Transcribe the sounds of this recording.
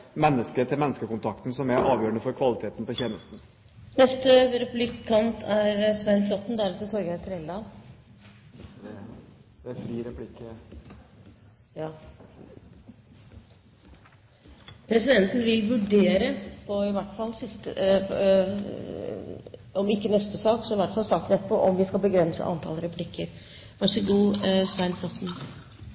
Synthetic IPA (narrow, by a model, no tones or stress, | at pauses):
mɛnːəskət̪ʰɪlmɛnːəskəkʊnt̪ʰɑkt̪n̩sɔmæɾʔɑːʋjøːəɳəfɔɾkʰʋɑlɪt̪ʰeːt̪n̩pɔçɛːnəst̪n̩ | nɛst̪əɾɛplɪkʰːɑnt̪ʰæɾsʋɛnflɔt̪ːnd̪æɾɛt̪ət̪ʰɔɾɡəæt̪ʰəɾɛld̪ɑːl | ɛd̪ɛfɾiːɾɛpʰlɪkːə | jɑː | pʰɾɛsɪd̪ɛnt̪n̩ʋɪlʋʉɖeːɾəpʰɔɪʋæʈːfɑlːsɪst̪ə̰ | ɔmɪkːənɛst̪əsɑːksɔɪʋæʈfɑlˠsɑːk̚t̪nɛt̪ːpʰɔʔɔmʋɪskɑlbəɡɾɛnsə̰ʔɑ̰nt̪ʰɑ̰lɾɛpʰlɪkːəɾ | ʋæʂəɡuːsʋæɪnflɔt̪ːn̩